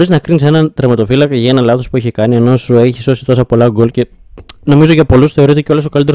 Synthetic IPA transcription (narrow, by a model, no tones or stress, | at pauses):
ɾiznɐkɾinise̞nɐt̪ɾemɐt̪o̞filɐkɐʝɐe̞nɐlɐθo̞spueçekɐnieno̞sue̞çiso̞si̥t̪o̞sɐpo̞lɐɡolce̞no̞mizo̞ʝɐpo̞lusθe̞o̞ɾit̪e̞co̞lo̞sokɐlit̪eɾ